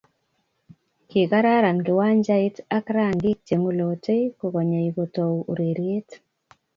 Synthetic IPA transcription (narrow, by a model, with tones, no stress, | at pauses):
ki˨ka˦ɾa˦ɾa˨nkɪ˨wa˦ɲd͡ʒa˦i˦ta˦kɾa˦˨ŋɡɪ˦k̚t͡ʃe˨ŋo˦lo˨te˦ko˨ɣɔ˨ɲa˨iɡo˨to˨wu˨ɾe˨ɾje˦t